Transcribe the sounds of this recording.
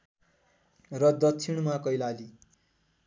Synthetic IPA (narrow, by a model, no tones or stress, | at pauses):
rʌd̪ʌt͡sʰiɽ̃makʌjlali